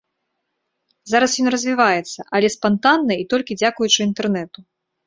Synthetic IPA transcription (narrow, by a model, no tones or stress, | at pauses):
zaɾɐsjɔnrɐzʲvʲivajɛt̪sːɐʔɐlʲɛspant̪anːɐit̪ɔlʲkʲid͡zʲakujut͡ʂɨint̪ɛrnɛt̪u